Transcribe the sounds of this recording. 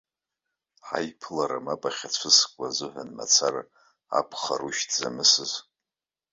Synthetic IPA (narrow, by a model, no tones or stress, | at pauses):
ħa̰jpʰlaɾamapʼaχʲat͡sʷʰɨskʷʼazɨħʷanma̰t͡sʰara | a̰pʰχaruʃtʰzamɨsɨz